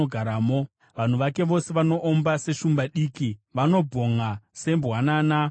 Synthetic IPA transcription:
oɡʱaɾaːmo̞ | ʋan̤uʋake̞ʋo̞se̞ʋano̞ʔombase̞ʃumbaɗiːkiʋano̞bʱo̞ŋase̞mbwanaːna

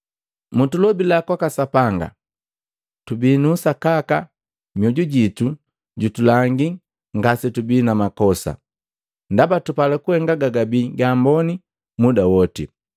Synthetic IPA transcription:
mutulɔbilakwakasapaŋɡa̰ | tubiːnuːsakaka | mjɔɟuɟitu | ɟutulaŋɡi | ŋɡasitubiːnamakɔsa̰ | ndabatupalɛkuhɛŋɡaɡaɡabiːɡaːmbɔni | mudawɔtḭ

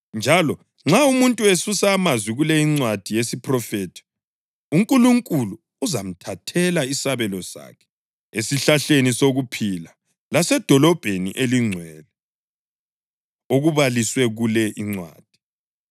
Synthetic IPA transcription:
nd͡ʒʱalɔ | ŋ͡ǁaumuntʼuesusaːmazwiɣulɛiŋ͡ǀwad̥ʱijesipʰʼrɔfɛtʰi̥ | uŋkʼuluŋkʼuluːzam̩tʰatʰɛlaisaβɛlɔsa̰kʰɛ̥ | esiɬaɬenisoɣupʰila | lasɛd̥ʱɔlɔb̥ʱenḭʔeliŋ͡ǀʱwɛːlɛ | oɣuβaliswɛɣulɛʔiŋ͡ǀwa̰ːd̥ʱi̥

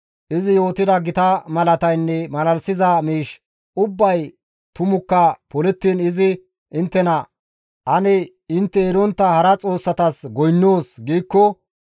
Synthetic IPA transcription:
ʔɪzɪjo̞ːt̪ɪd̪ɐɡɪt̪ɐmɐlɐt̪ɐjnːɛmɐlɐlsɪzɐmiːʃ | ʊbːɐj | t̪ʊmʊkːɐpɔlɛt̪ːiːnɪzɪ | ʔɪnt̪ːɛnɐ | ʔɐnɛ | ɪnt̪ːɛeɾɔnt̪ːɐhɐɾɐt͡sʼo̞ːsːɐt̪ɐsɡɔjnːoːsɡiːkːɔ

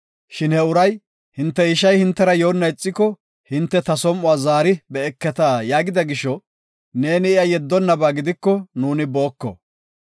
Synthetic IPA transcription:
ʃɪnhɛʊɾɐj | hɪnt̪ːɛɪʃɐjhɪnt̪ːɛɾɐjoːnːɐjt͡sʼːɪkːɔ | hɪnt̪ːɛt̪ɐsɔmːʊaːzaːɾɪbɛɛkːɛt̪aːjaːɡɪd̪ɐɡɪʃːɔ | ne̞ːnɪɪjɐjɛd̪ːɔnːɐbaːɡɪd̪ɪkːɔnuːnɪboːkːɔ̰

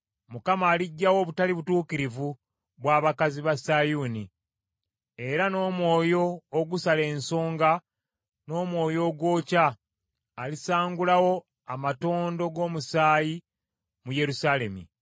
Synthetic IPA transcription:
mukamaːliɟːawo̞βutaliβutuːkiɾivu | βwaːβakaziβasajuːni | e̞ɾano̞ːmwo̞ːjo̞ːɡusale̞ːnso̞ːŋɡa | no̞ːmwo̞ːjo̞ːɡwo̞ːcaː | lisaːŋɡulawo̞ | amato̞ːndo̞ɡo̞ːmusaːji | muje̞ɾusaːle̞mḭ

